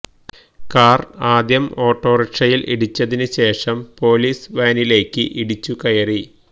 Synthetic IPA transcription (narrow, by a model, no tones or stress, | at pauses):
kaːraːd̪jɐmo̞ːʈːo̞ːriʈʂɐjilʔḭɽit͡ɕːɐðinɨɕe̞ːʂɐmpo̞ːliːsʋaːnile̞ːkːɨʔiɽit͡ɕːukɐjɐri